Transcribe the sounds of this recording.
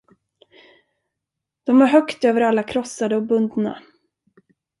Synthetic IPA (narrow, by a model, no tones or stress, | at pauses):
d̪̥ɔmæɾɦœkt̪øːvəɾalːakʰɾɔsːad̪əɔbɵnd̪na̰